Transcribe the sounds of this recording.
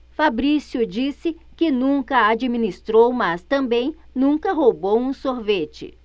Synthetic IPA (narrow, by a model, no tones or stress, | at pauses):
fabɾisjʊd͡ʒisɪ | kɪnũkɐad͡ʒiminist̪ɾowmɐst̪ɐ̃mbẽj̃ | nũkɐɦobowũsoɾvet͡ʃɪ̰